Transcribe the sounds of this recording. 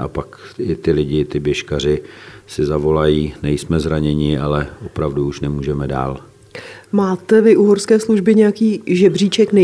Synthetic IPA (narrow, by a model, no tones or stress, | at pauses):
ʔa̰pakɪt̪ɪlɪɟɪt̪ɪbjɛʃkar̝ɪsɪzavo̞lajiːnɛjsmɛzɾaɲɛɲɪʔalɛʔo̞pɾavduuʃnɛmuːʒɛmɛda̰ːl | maːt̪ɛvɪʔuɦoɾskɛːsluʒbɪɲɛjakiːʒɛbr̝iːt͡ʃɛknɛ